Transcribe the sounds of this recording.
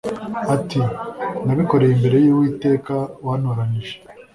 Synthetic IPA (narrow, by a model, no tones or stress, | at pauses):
atinaβiko̞ɾe̞jimbe̞ɾe̞jiwiːte̞ːkawaːnoɾaniʒe